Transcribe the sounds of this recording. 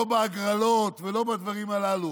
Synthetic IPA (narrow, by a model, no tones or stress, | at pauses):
obaaɡʁalo̞t̪velo̞bad̪vaʁimalalu